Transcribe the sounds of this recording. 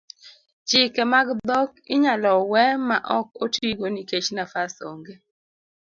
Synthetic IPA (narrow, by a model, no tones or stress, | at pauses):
t͡ʃɪkɛmaɡd̪ɔkɪ̰ɲalɔwɛmaʔɔk̚otiɡoniket͡ʃnafaso̰ŋɡe